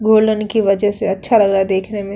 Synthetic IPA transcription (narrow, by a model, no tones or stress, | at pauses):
ɡʱoːlənkiʋɐd͡ʒəɦseɐtːʃʰalɐɡɾaːed̪eːkʰnemẽ